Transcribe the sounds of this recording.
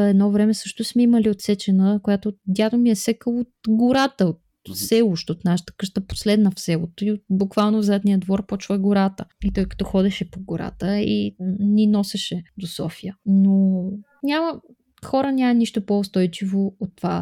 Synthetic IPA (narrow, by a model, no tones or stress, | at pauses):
ɛd̪nɔvɾɛmɛsɤʃt̪ʊsmɛiməliot̪sɛt͡ʃɛnəkojat̪od̪ʲad̪omiɛsɛkəot̪̚ɡoɾat̪əot̪ | sɛlˠuʃt̪ot̪naʃə̥t̪ə̥kɤʃt̪əpo̥slɛd̪nəfsɛlˠot̪oiot̪̚bʊkvalˠnovzɛt̪nʲijəd̪vɔɾpɔt͡ʃɛɡʊɾat̪əit̪ɔjkɐ̥t̪ɔxɔd̪ɛʃɛpoɡoɾa̰t̪əinʲinɔsɛʃɛd̪osɔ̰fijəno | nʲamə | xɔɾənʲamɐniʃt̪opoːst̪ɔjt͡ʃivoot̪ːova